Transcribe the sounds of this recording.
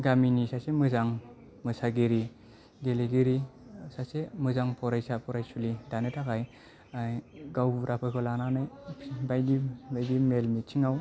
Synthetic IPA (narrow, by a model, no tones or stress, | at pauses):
ɡaminisasemɯzaŋ | mɯsaɡiɾi | ɡeleɡiɾisasemɯzaŋpʰɔɾajsapʰɔɾajsulidanɯtʰakaj | aɡawbuɾʔapʰɯkʰɔlananajbajdibajdimelmit͡ʃʰiŋaw